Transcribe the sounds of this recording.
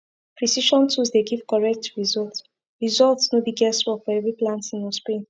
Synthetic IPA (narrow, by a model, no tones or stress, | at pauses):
pʰɹisiʃɔ̃ntʰuzdeɡiv̥kɔɹɛk̚tʰɹizɔlt | ɹizɔltsnobiɡɛswɔfɔɛvɹiplãntĩnɔspɹẽn